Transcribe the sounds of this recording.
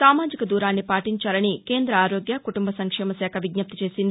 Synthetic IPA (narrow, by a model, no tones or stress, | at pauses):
saːmaːd͡ʒikɐd̪uːɾaːnːipaːʈiɲt͡ʃaːlɐnike̞ːnd̪ɾɐaːɾo̞ːɡjɐkuʈumbɐsɐŋkʂɛːmɐsɛːkʰɐʋiɡnɐp̚t̪it͡ʃe̞ːsind̪i